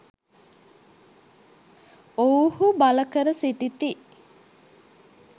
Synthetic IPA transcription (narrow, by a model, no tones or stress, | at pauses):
owhubaləkəɾəsiʈit̪i